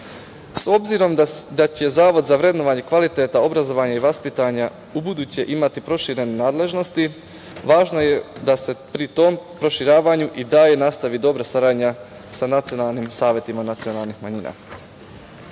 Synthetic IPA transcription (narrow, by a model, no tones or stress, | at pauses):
so̞bziɾo̞md̪at͡ɕe̞zaːʋo̞d̪zaʋɾe̞d̪no̞ʋaɲekʋalit̪eːt̪ao̞bɾazo̞ʋaɲaiʋaspit̪aɲa | ubud̪uːt͡ɕeʔimat̪ipɾo̞ʃiɾe̞nenaːd̪le̞ʒno̞st̪i | ʋaːʒno̞jed̪ase̞pɾit̪o̞ːmpɾo̞ʃiɾaːʋaɲuʔid̪aːje̞nast̪aʋid̪o̞bɾasaɾad̪ɲa | sanat̪sijo̞nalˠnimsaːʋjet̪imanat̪sio̞nalˠnixmaɲiːnʔa̰